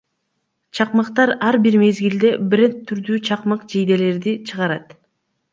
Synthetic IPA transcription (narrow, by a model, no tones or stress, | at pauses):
t͡ʃʰɑqmɯqt̪ɑɾɑɾbiɾme̞zɡild̪e̞bɾʲe̞nt̪ʰːyɾd̪yt͡ʃʰɑqmɯqd͡ʒijd̪e̞le̞ɾd̪it͡ʃʰɯʁɑɾɑt̪